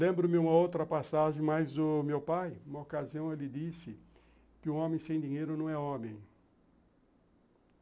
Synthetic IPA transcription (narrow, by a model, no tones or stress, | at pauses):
lẽmbɾʊmɪũmɐowt̪ɾɐpasaʒẽj̃majzd̪ʊmewpajũmɐokaziɐ̃w̃ɛlɪd̪isɪ | kɪũõmẽj̃sẽj̃d̪iɲejɾʊnɐ̃w̃ɛõmẽj̃